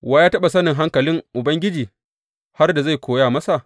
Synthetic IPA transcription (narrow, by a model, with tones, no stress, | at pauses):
waː˦jaː˦tɐ˦ɓa˨sɐ˦nɪ˨ŋɦa˦ŋkɐ˨lɪ˦ŋʔʊ˨bɐ˦ŋɡʲɪ˦d͡ʒiː˨ | ha˦rda˨za˦˨jkʷoː˨˦jaː˦˨mɐ˦sa˨ʔ